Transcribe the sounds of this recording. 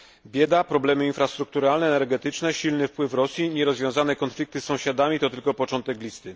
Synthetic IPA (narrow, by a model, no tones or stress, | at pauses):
bʲjɛd̪apɾɔblɛmɘinfɾast̪ɾuk̚t̪uɾalnɛːnɛɾɡɛt̪ɘt͡ʂnɛɕilnɘfpwɘfɾɔsʲjiɲɛɾɔzvʲjɔ̃w̃zanɛkɔnflʲik̚t̪ɘsːɔ̃w̃ɕad̪amʲit̪ɔt̪ɘlkɔpɔt͡ʂɔnt̪ɛklʲist̪ɘ